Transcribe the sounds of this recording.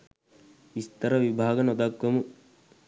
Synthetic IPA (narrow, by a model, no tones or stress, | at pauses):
ist̪ɐɾɐʋibʱaːɡɐnɔd̪aɡʋɐmu